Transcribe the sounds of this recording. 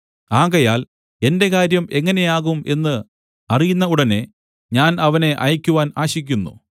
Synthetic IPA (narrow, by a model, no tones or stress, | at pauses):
aːɣɐjaːl | e̞nde̞ɣaːɾjɐme̞ŋːɐne̞jaːɣume̞nːɨ | ɐrijunːɐuɽɐne̞ | ɲaːnɐʋɐne̞ʔɐjikʲːuʋaːnaːɕikʲːunːṵ